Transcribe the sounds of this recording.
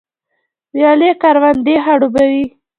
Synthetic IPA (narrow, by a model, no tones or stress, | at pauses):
ɾjɑlekaɾwand̪eɦaɽubawi